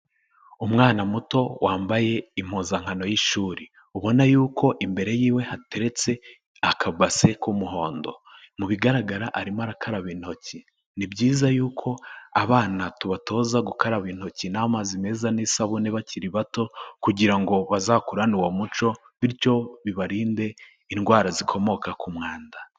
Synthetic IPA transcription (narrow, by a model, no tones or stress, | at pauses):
umŋaːnamuto̞waːmbaje̞im̥hozaŋ̥hano̞jiʃuːɾi | uβo̞najuːkʰo̞ʔimbe̞ɾe̞jiːwe̞hate̞ɾe̞t͡se̞ | akʰabase̞kumuɦo̞ːndo̞̰muβiɡaɾaɡaɾaʔaɾimaɾakʰaɾaβin̥ho̞ci | nibɟiːzajuːkʰo̞aβaːnatuβatʰo̞ːzaɡukaɾaβiːn̥ho̞cinamazime̞zanisaβuneβaciɾiβato̞kuɟiɾaŋɡo̞βazaːkuɾanuwomut͡ʃo̞ | βiɾjo̞βiβaɾiːnde̞ | inɡwaːɾazikʰo̞mo̞kakumŋaːnda